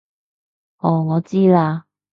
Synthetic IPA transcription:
ɔ˨˩ŋɔ˨˧˦t͡ɕi˥˦˧la˧

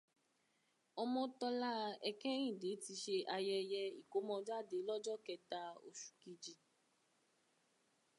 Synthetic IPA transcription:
ɔ˧mɔ̃˧tɔ˧la˦˧ɛ˧kɛ̃˦ĩ˦˨de˨˦ti˧ʃe˧ʔa˧jɛ˧jɛ˧i˨ko˨˦mɔ̃˧d͡ʒa˦˨de˨˦lɔ˦d͡ʒɔ˦kɛ˧ta˧o̰˨ʃu̥˨ki˧d͡ʒi˨

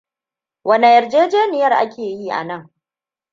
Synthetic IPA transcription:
wɐ˨ne˨jɐ˨rd͡ʒeː˦d͡ʒeː˦nɪ˨jɐ˦rʔa̰˦kʲʰeː˨jiː˦ʔa̰˨nɐ˦˨ŋ

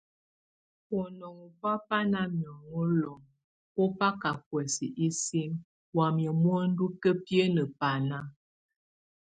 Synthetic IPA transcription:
ɔ˨nɔ˨ŋu˨pa˦pa˦na˦mjɔ˨ŋə˦lɔ˨ŋ | pɔ˦pa˦ka˨k̚wɛ˨si˨ʔi˦si˦ŋ | wa˨mjɛ˨mwɔ˦n̩˦du˦kə˦pje˦nə˨pa˨na˦

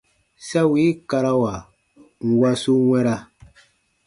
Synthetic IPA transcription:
sa˦wi˨˦ka˨˧ɾa˦wa˨ | ŋ̩˨wa˦su˦wɛ̃˦ɾa˦

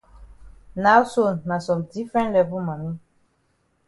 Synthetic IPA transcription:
na˨˦wso˦˨nna˨sɔ˨mdi˦fɛ̃˦nlɛ˨vu˦ma˨ni˦

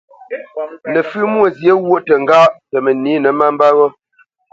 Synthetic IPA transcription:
lə˨fʉ˦mwo˦˨zje˨˦wo˦˨ʔtə˨ŋ̩˦ɡa˦ʔtə˨mə˨ni˨˦nə˨ma˦m˦ba˦ɣɔ˦

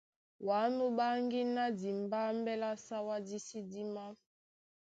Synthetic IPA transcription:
wa˨˦no˦ba˦ŋɡi˦na˦di˨m˨ba˦m˦bɛ˦la˦sa˦wa˦di˦si˦di˦ma˦

